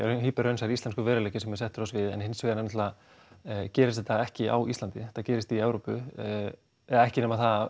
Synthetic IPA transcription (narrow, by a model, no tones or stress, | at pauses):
ɦiːpɪɾœɥnsaɾist̪anskʏvɛːɾalɛːcɪsɛmːɛ̥sɛht̪ʏɾasvɪðɛ̰nhɪnsvɪːɣanɛmnt̪la | cɛːɾɪst̪θɛt̪ːaɛhcɪʔa̰wʔist̪lant̪ɪθacɛːɾɪst̪iɛvɾoːpʏ | ɛðaɛhcɪnɛmaθað